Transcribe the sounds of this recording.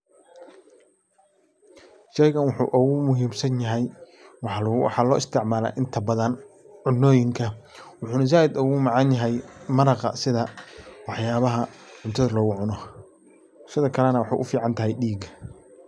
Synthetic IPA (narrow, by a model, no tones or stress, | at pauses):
ʃɛjɣɐnwʊħṵːʔʊɣʊmʊɦiːmsɐnjɐɦɛj | w̰ħɑːlɔːʔɪst̪ʰɪʕmaːla̰ːʔɪnt̪ʰɐbɐðɐn | ʕʊnːɔːjɪŋkʰɐwʊħuːnɐz̬aːjɪd̪ʊɣʊmɑʕɑnjɐɦɛjmɐɾɑqɑ̰sɪðɐwɑħjaːβɐɦɐʕʊnt̪ʰɐðɐlɔːɣʊʕʊnɔ | sɪðɐkʰɐlɛnɐwɑħɑ̰ːʔʊfiːʕɑnt̪ʰɐɦɛjɖiːɡ